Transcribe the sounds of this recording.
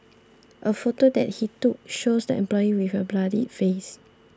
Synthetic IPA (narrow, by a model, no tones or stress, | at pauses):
ʔəfotodɛ̰t̚hituk̚ʃosdəɛ̰̃mplɔjiwifəbladḭfes